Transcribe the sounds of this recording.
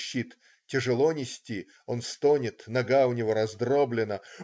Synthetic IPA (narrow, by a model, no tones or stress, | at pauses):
ɕːit̪ | tʲɪʐɨlˠonʲɪsʲtʲi | o̞nst̪onʲɪt̪nɐɡaʊnʲɪvo̞ɾɐzd̪ɾoblʲɪnə